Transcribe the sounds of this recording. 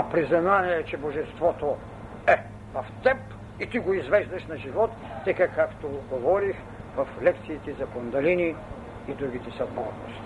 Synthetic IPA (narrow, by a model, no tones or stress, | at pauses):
ɐpɾizɐnaniɛt͡ʃɛboʒɛst̪vɔt̪o | ɛ | vɐft̪ɛp | it̪iɡoizvɛʒd̪ɐʃnɐʒivɔt̪ːɛkɐkakt̪oɡovɔɾix | vɐflɛkt̪siːt̪ɛzɐkond̪ɐliniː | d̪ɾuɡ̟it̪ɛsɐd̪bɔɾno̰ʃt̪i̥